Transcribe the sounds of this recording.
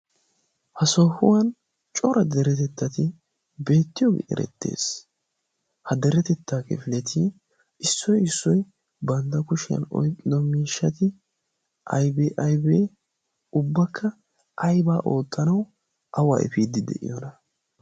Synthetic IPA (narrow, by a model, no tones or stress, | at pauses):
hɐsoːhʊwɐn | t͡ʃʼɔɾɐd̪ɛɾɛt̪ɛt̪ːɐt̪ɪ | be̞ːt̪ːɪjɔɡɪ̰ʔɛ̰ɾɛ̰t̪ːe̞̰ːs | hɐd̪ɛɾɛt̪ɛt̪ːaːkɛ̰fɪlɛt̪ʰiː | ʔɪsːɔjɪsːɔj | bɐnd̪ɐkʊʃɪjɐ̰nɔ̰jkʼːɪd̪ɔmiːʃːɐt̪ɪ | ʔɐ̰jbeʔɐjbeː | ʊbːɐkʰːɐ | ʔɐjbaːʔo̞ːt̪ʼːɐnɐw | ʔɐwa̰ːʔɛ̰fiːd̪ɪd̪ɛ̰ʔɪ̰jɔnɐ